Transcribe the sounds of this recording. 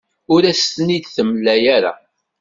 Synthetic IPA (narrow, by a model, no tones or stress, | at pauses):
ʊɾæst̪nid̪θəməlːæjaɾa̰